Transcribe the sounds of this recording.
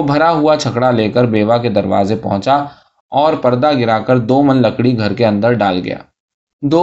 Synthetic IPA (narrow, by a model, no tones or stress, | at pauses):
bʱɐɾaɦʊat͡ʃʰɐkɽaleːkəɾbeːʋaked̪ɐɾʋa̰ːzepɐ̰ɦʊ̃t͡ʃa | ɔːɾpɐɾd̪aɡɪɾaːkəɾd̪oːmənlɐkɽiɡʱɐɾkeɐ̃nd̪əɾɖaːlɡɐ̰ja̰ː | d̪oː